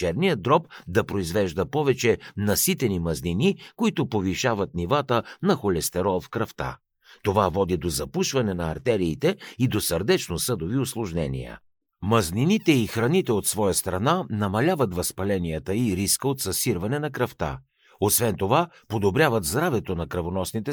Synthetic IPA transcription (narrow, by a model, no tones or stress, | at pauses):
t͡ʃɛɾnijəd̪ɾɔpd̪ɐpɾoizvɛʒd̪əpɔvɛt͡ʃɛnɐsit̪ɛnimɐzninikoit̪ʊpoviʃavət̪̚nivat̪ənɐxolɛst̪ɛɾɔlˠfkɾɐft̪a̰ | t̪ovavɔd̪id̪ozɐpuʃvɐnɛnɐːɾt̪ɛɾiːt̪ɛid̪osəɾd̪ɛt͡ʃnosɤd̪oviʊslˠʊʒnɛnḭjə̰ | mɐzninit̪ɛixɾɐnit̪ɛot̪svɔjəst̪ɾɐnanɐmɐlʲavət̪vɐspɐlɛnijət̪əiɾiskəot̪sɐsiɾvɐnɛnɐkɾɐft̪a̰ | osvɛnt̪ova | pod̪obɾʲjavət̪zd̪ɾavɛt̪onɐkɾɐvonɔsnit̪ɛ